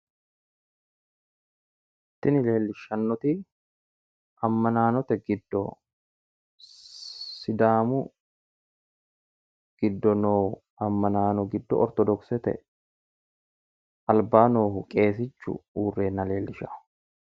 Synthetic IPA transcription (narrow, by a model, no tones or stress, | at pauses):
ɪt̪ːɪnɪle̞ːlːɪʃːɐnːɔt̪i | ʔɐmːɐnaːnɔt̪ɛɡɪd̪ːɔ̰ | sɪd̪aːmʊ | ɡ̥ɪd̪ːɔnoː | ɐmːɐnaːnɔɡɪd̪ːɔ̰ɔɾt̪ɔd̪ɔksɛt̪ɛ̰ | ɐlbaːnoːhʊkʼe̞ːs̬ɪt͡ʃːʊ̰uːrːe̞ːnːɐle̞ːlːɪʃɐ